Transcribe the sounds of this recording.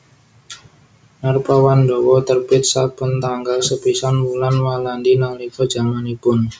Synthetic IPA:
narpawandowɔt̪ərpɪt̪̚sapʊnt̪aŋɡalsəpisanbulanwalandinalikɔ̥d͡ʒamanipʊn

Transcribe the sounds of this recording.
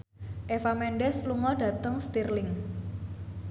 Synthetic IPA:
ʔefamɛnɖɛsluŋɔɖä̤t̪əŋst̪irlɪŋ

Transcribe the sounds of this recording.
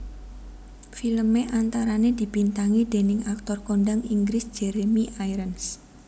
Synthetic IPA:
filəmeʔant̪aɾaned̪̥i̤b̥int̪aŋid̪̥e̤nɪŋak̚t̪ɔrkoɳɖaŋiŋɡɾɪsd̥ʒ̥ɛɾemiʔajɾəns

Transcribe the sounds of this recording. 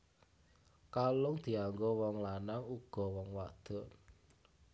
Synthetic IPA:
kalʊŋd̪̥i̤aŋɡowɔŋlanaŋuɡ̥ɔ̤wɔŋwad̪̥ɔ̤n

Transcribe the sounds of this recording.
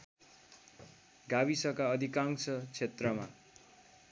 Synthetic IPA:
ɡabisʌkaʌd̪ʱikaŋsʌt͡sʰet̪rʌma

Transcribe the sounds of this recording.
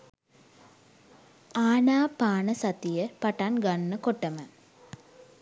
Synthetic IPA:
aːnaːpaːnəsat̪ijəpaʈanɡanːəkoʈːəmə

